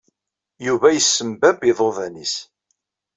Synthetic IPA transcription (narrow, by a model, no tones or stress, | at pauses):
juvæjəsːəmbæbiðˤovænis